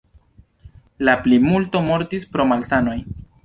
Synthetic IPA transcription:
laplimulto̞mo̞ɾtispɾo̞malsano̞j

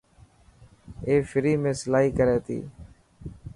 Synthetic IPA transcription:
eːfɪɾiːmẽːsəlaːɦiːkəɾeːt̪ḭː

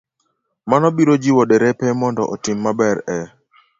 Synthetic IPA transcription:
manɔbiɾod͡ʒiwɔdeɾɛpɛmɔndɔ̰ʔɔtɪmːabɛɾɛ

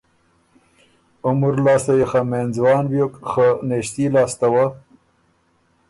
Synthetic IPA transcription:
ʊmuɾlɑːst̪ajexamenzwɑːnwjokxəneʃt̪ilɑːst̪awa

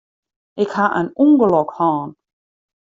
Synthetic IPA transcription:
ʔɪkhaʔə̰nuŋɡəlɔkhɑːn

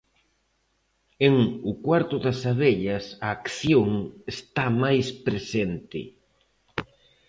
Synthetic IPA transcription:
eŋʊkwaɾt̪ʊðɐsaβeʎɐsɐːkθjoŋest̪amajspɾesent̪ɪ̰

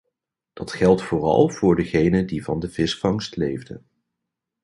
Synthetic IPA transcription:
d̥ɑtχɛlˠtfʊːrɑ̰lˠv̥ʊːɹdəχejnədivɑ̰ndəvɪsfɑŋstlejvdə̰n

